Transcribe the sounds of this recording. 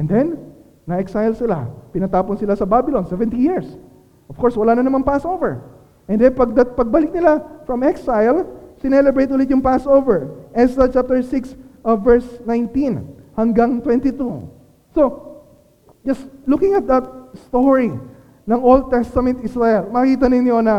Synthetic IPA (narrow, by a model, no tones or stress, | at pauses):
ʔɛnd̪ɛnː | ɐʔɛksajlsɪla̰pɪnɐt̪aːponsɪlasɐbabɪlonsɛvɛ̃nt̪ijiɹs | ʔov̥kɔɹswɐlaːnɐnɐmaŋpasovɛɹ | ʔɛ̃nd̪ɛpɐɡ̚d̪ɐt̪̚pɐɡ̚bɐlɪk̚nɪlafɹɐmɛksajlsɪnɛlɛbɹejt̪̬̚ʔuːlɪt̪̚jʊŋpasʔowvɛɹʔɛsd̪ɐt͡ʃap̚t̪ɛɹsɪksʔɐvɛɹsnajnt̪ĩnhɐŋɡaŋt̪wɛnt̪ɪt̪u | so̞ | d͡ʒɐslukɪ̃ŋɐt̪̚d̪ɐt̪̚st̪oɹi | nɐŋold̪̚t̪ɛst̪ɐmɛ̃nt̪isɹaɛlmɐkiːt̪ɐnɪnjo̞nɐ